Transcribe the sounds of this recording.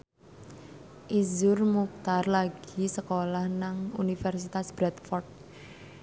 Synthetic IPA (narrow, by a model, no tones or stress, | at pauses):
ʔizʊrmuk̚t̪arlaɡ̥isəkolahnaŋunifɛrsit̪asb̥ɾɛt̪fɔrt̪̚